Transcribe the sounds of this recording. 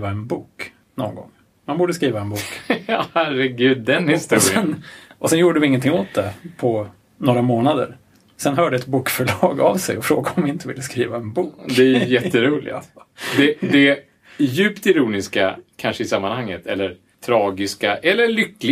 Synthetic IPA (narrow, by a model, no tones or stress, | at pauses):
vaɛnbuːk | nɔ̰ŋɡɔ̰ŋː | manbuːɖəskɾiːvaɛnbuːkɑhæɾɛɡʉ̟ːd̪ːɛnhɪst̪ṵːɾɪəɛnʔɔsɛnjuːɖəvɪɪŋːənt̪ʰɪŋːoːt̪̚d̪ɛpʰɔ | noːɾamoːnad̪ə̰ɾ | sɛnɦœːɖəɛt̪buːkfœɭɑːɡavsɛ̰jɔfɾoːɡaɔɔmvɪɪnt̪əvɪ̰lːəskɾiːvaɛnbuːkd̪ɛjɛt̪ːəɾuːlɪ̰d̪ɛd̪ɛ | jʉ̟ːpt̪ɪɾuːnɪskakʰanʂəɪsamːanhaŋːət̪ʰɛlːəɾ | t̪ʰɾɑːɡɪskaʔɛlːəɭʏkːlɪ